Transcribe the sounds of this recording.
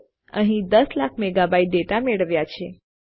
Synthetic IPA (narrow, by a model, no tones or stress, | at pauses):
ə̰ɦĩd̪əslakʰmeɡabaiʈ̚ɖeʈameɭəʋjat͡ʃʰe